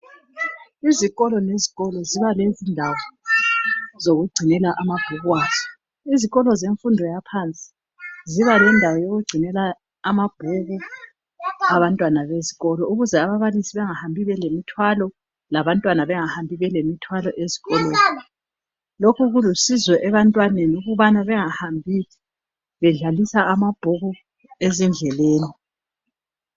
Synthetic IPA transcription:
iziɣɔlɔneziɣɔlɔziβalezindʱawɔ | zoɣuɡ͡ǀʱinɛlaʔamab̥ʱuɣwaːzɔ̥ | iziɣɔlɔzeɱfundʱɔjapʰant͡sʼi̥ | ziβalɛndʱawɔjoɣuɡ͡ǀʱinɛlaː | mab̥ʱuɣu | aβantʼwanaβezi̥ɣɔlɔʔuɣuzɛaβaβalisiβɛŋahambʱiβɛlemitʰwalɔ | laβantʼwanaβɛŋahambʱiβɛlemitʰwalɔʔezi̥ɣɔleːni | lokʰuɣulusizwɛʔɛβantʼwanenuɣuβanaβɛŋahambʱiːtʰi̥ | βɛɮalisaamab̥ʱuɣu | ezind͡ɮʱɛleːni

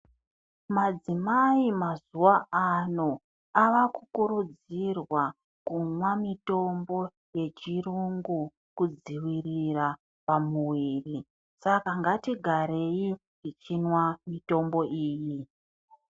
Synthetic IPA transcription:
mad͡zimaimazuwaano̞ | aʋakukuɾud͡zirwa | kunwamito̞mbo̞ | je̞t͡ʃiruŋɡu | kud͡ziwirira | pamuwiːri | sakaŋɡatiɡʱaɾe̞ji | it͡ʃinwamito̞mbo̞iːji

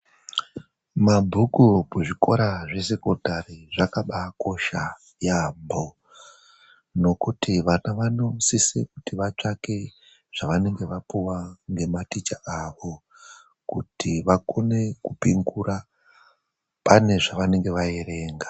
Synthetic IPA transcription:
mabʱukupuʐiko̞̰ɾaʐe̞se̞ko̞tariʐakaɓako̞ʃa | jambʱo | no̞kutʰiʋanaʋano̞siseku̥tiʋat͡ʂake̞ | ʐ̥aʋane̞ŋɡe̞ʋapuwaŋɡe̞matit͡ʃaaʋo̞ | kutʰiʋakone̞kupiŋɡura | pane̞ʐaʋane̞ŋɡe̞ʋajeɾe̞ːŋɡa

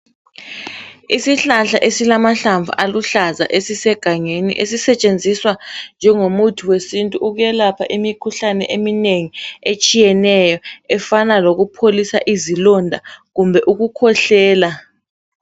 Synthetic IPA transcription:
isiɬaɬaʔesilamaɬaɱvṵʔaluɬaza̰ʔesisɛɡ̥ʱaŋenḭʔesisɛt͡ʃʼend͡zʱiswand͡ʒʱɛŋomutʰuwesintʼuʔuɣujɛlapʰaʔimikʰuɬanɛ̰ʔemineŋiet͡ʃʼijɛnɛjɔɛfanaloɣupʰolisa̰ʔizilɔndʱa̰ɣumbʱɛʔuɣukʰɔɬɛːla

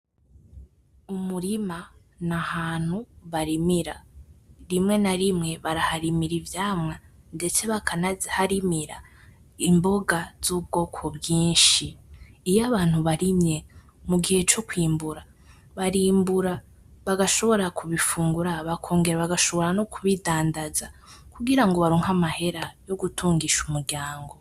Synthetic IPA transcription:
umuɾima | nahaːn̥huβaɾimiɾa | ɾimŋenaɾimŋe̞βaɾahaɾimiɾivjaːmŋa | nde̞t͡se̞βakʰanahaɾimiɾa̰ | imbo̞ɡaz̥uːb̚ɡo̞kʰobɡiːʃiːjaβaːn̥huβaɾimɲe̞ | muɡihe̞t͡ʃo̞kwiːmbuɾa | βaɾiːmbuɾa | βaɡaʃo̞βo̞ɾakʰuβifuːŋɡuɾaβakʰo̞ːŋɡe̞ɾaβaɡaʃo̞βo̞ɾanokʰuβidaːndazakuɡiɾaŋɡo̞βaɾoːŋhamahe̞ɾajo̞ɡutʰuːŋɡiʃumuɾɟaːŋɡo̞

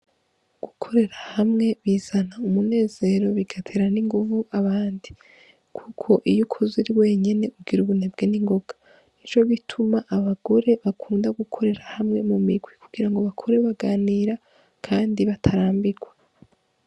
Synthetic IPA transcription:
ɡ̥ukʰo̞ɾe̞ɾahamŋe̞βiːz̥anaumune̞ːze̞ɾo̞βiɡatʰeɾaniŋɡuvuʔaβaːndi | kʰukʰo̞ʔijukʰoziɾiwe̞ːɲe̞ne̞ubɡiɾuβunebɡeniŋɡo̞ɡ̥a | nit͡ʃo̞βitʰumaʔaβaɡo̞ɾe̞βakʰuːndaɡukʰo̞ɾe̞ɾahamŋe̞mumiɡwikuɡ̥iɾaŋɡo̞βakʰo̞ɾe̞βaɡaːniɾa | kʰaːndiβatʰaɾaːmbiɡwa

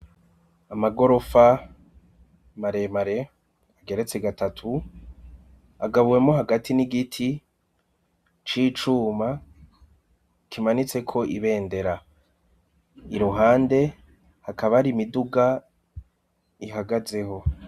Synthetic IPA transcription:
amaɡo̞ɾo̞fa | maɾe̞maɾe̞ | aɡe̞ɾe̞t͡se̞ɡatatʰu | aɡaβuwe̞moɦaɡatʰiniɡitʰi | t͡ʃiːt͡ʃuːma | kʰimanit͡se̞kʰo̞ʔiβe̞ːnde̞ɾa | iɾuɦaːnde̞ | hakaβaɾimiduɡa | iɦaɡaze̞ho̞

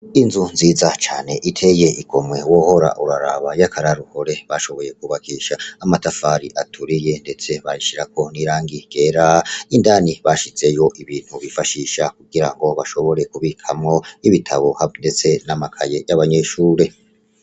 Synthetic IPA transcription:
inzunziːzat͡ʃa̰ːne̞ʔitʰe̞je̞ʔiɡo̞mwe̞wo̞ho̞ɾa̰ʔuɾaɾa̰βajakʰaɾaɾuho̞ɾe̞βaʃo̞βo̞je̞k̚uβakiːʃaːmatafaɾiʔatʰuɾije̞nde̞t͡se̞βajiʃiɾako̞niːɾaːŋɡiɡ̥e̞ɾaindaːniβaʃit͡se̞jo̞ʔiβiːn̥huβifaʃiːʃakuɡiɾaŋɡo̞βaʃo̞βo̞ɾe̞kuβikʰamŋo̞iβitʰaβo̞hande̞t͡se̞namakʰaje̞jaβaɲe̞ʃuːɾe̞

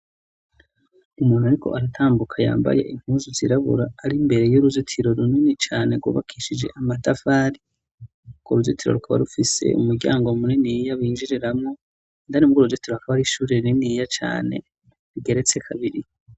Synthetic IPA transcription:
umuːnhuaɾikʰo̞̰ʔaɾatʰaːmbukʰaja̰ːmba̰je̞̰ʔim̥huːzuziɾaβṵɾaːɾimbe̞ɾe̞joɾuzitʰiɾo̞ɾuninit͡ʃaːne̞ɾɡwo̰βa̰kʰiːʃid͡ʒe̞̰ʔamatafaːɾi | koɾuvzitiɾo̞̰ɾukʰaβa̰ɾufise̞̰ṵmuɾɟa̰ːŋɡomuninijaβiːɲd͡ʒiɾiɾamŋo | ndanimɡuɾuzotiɾohakaβaɾiʃuːɾininijat͡ʃa̰ːne̞̰ | ɾiɡe̞ɾe̞t͡se̞kʰaβiɾi

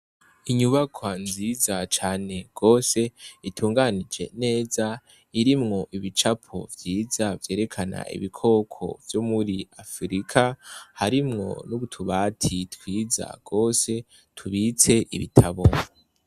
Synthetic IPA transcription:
iɲuβakʰwanziːzat͡ʃaːne̞ɡ̥o̞ːse̞itʰuːŋɡanid͡ʒe̞̰ne̞ːza | iɾimŋo̞ʔiβit͡ʃapʰo̞̰vjiːzavje̞ːɾe̞kʰana̰ḭβikʰo̞ːkʰo̞̰vjomuɾiafɾikʰahaɾimŋo̞̰nuβutʰuβatʰitwiːza̰ɡ̥o̞ːse̞ | tʰuβit͡se̞ʔḭβḭtʰaβo

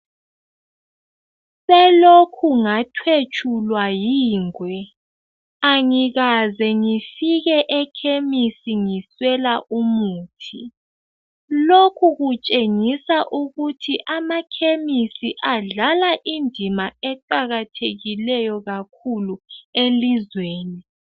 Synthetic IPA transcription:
sɛlokʰuŋatʰwet͡ʃʼʰulwajiːŋwɛ | aŋiɣazɛŋifiɣɛʔɛkʰemisiŋiswɛlaʔumuːtʰi | lokʰuɣut͡ʃʼeŋisaʔuɣutʰiʔamakʰemisiʔaɮalaʔindʱimaɛǃaɣatʰeɣilɛjɔɣakʰuluelizweːni

